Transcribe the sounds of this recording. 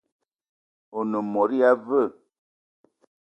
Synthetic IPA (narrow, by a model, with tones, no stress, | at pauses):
o˨no˨mɔ˨ɾi˦a˦və˦˨